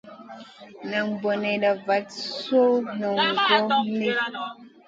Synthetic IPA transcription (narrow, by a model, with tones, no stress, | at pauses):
na˨ŋbo˨ne˨ɗa˨va˨˦tso˦nɔ˨ŋɡo˦ni˦